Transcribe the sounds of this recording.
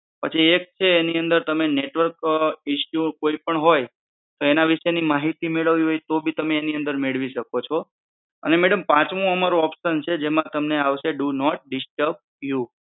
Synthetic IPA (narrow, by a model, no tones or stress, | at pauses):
pət͡ʃʰiek̚t͡ʃʰeːniənd̪əɾt̪əmeneʈʋəɾkiʃjukoipəɳɦoj | t̪oenaʋiʃenimaɦit̪imeɭəʋiɦojt̪obʱit̪əmeːniə̃nd̪əɾmeɭʋiʃəkot͡ʃʰɔ | ə̰nemɛɽəmpãt͡ʃʋũəmaɾuɔpʃənt͡ʃʰed͡ʒemãt̪əmneaʋʃeɖunɔʈ̚ɖɪsʈəb̚ | ju